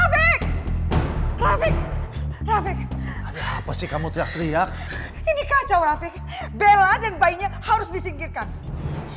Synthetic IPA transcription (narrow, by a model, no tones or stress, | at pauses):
afɪk̚ | rafɪk̚rafɪk̚adaapasɪkamut̪ɾiak̚t̪ɾiak̚ | inikat͡ʃawɾafɪk̚ | beladanbaiɲahaɾʊsdisiŋkirkan